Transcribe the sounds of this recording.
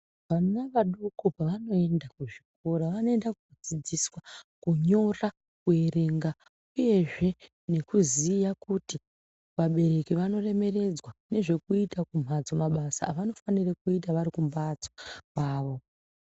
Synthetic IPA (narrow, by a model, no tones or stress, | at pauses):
ʋanaʋaɗukopaʋano̞e̞ndakuʐik̚oɾaʋano̞e̞ndakuod͡zid͡ziswakuɲo̞ra | kue̞re̞ŋɡa | uje̞ʐe̞ | ne̞kuzijakuti | ʋaɓe̞re̞kiʋano̞re̞me̞re̞d͡zwane̞ʐe̞kuitakum̤ʱad͡zomaɓasaʋano̞fanirakuitaʋaɾikumbad͡zo̥paːʋo